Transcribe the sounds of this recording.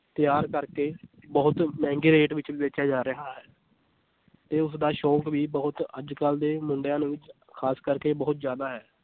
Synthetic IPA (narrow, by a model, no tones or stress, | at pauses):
t̪ɪjaːɾkəɾkeː | bɔɦʊt̪mɛ̃ːŋɡiːɾeːʈʋɪt͡ʃʋiːʋet͡ʃaːd͡ʒaːɾəɦaːɦɛː | t̪eːʊsd̪aːʃɔːkʋiːbəɦʊt̪əd͡ʒkəld̪eːmʊɳɖjãːnẽːʋɪt͡ʃ | kʰaːskəɾkeːbəɦʊt̪zjaːd̪aːɦɛː